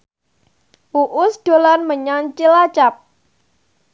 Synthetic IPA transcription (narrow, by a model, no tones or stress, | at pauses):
ʔuʔʊsd̥o̤lanməɲant͡ʃilat͡ʃap̚